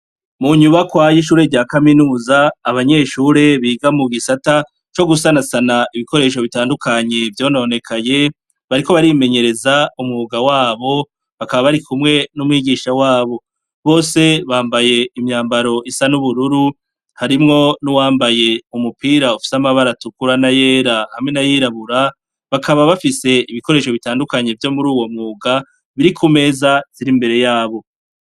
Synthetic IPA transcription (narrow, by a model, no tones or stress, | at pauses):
muɲuβakwajiʃ̬uːɾe̞ɾɟaːkaminuːzaːβaɲe̞ːʃuːɾe̞βiːɡamuɡisata | t͡ʃo̞ɡusanasanaiβiko̞ɾe̞ːʃ̬o̞βitaːndukʰaɲe̞vjo̞ːnone̞kʰaje̞ | βaɾiko̞βaɾime̞ɲe̞ɾe̞zaumŋuuɡawaːβo̞ | βakaβaβaɾikumŋe̞numwiːɡiːʃawaːβo̞ | βo̞ːse̞βaːmbaje̞imɲaːmbaɾo̞ʔisanuβuɾuɾu | haɾimŋo̞nuwaːmbaje̞umupiːɾaufi̥samaβaɾatukuɾanaje̞ːɾahamŋe̞najiɾaβuɾa | βakaβaβafise̞iβiko̞ɾe̞ːʃo̞βitaːndukaɲe̞vjo̞muɾuːwo̞mŋuːɡa | βiɾikʰume̞ːzaz̥iɾimbe̞ɾe̞jaːβo̞